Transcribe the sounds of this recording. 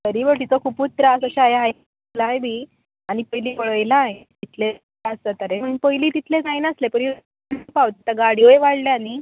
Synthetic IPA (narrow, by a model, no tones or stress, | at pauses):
təɾiʋəɾt̪it͡sokʰuːput̪ɾaəsəɕajaɦaj | laɦjbiː | añipəjliːʋəɭəjlaet̪it̪ʰle | aəsət̪əɾeməɽuːnpəjliːt̪it̪ʰled͡zainəslepəɽi | npawt̪it̪aɡaɽiʋəjʋaɽleani